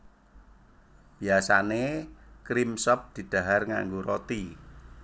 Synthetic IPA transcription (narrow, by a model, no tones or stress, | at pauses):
b̥i̤asanekɾimsɔp̚d̪̥i̤d̪̥a̤ɦarŋa̰ŋɡoɾot̪i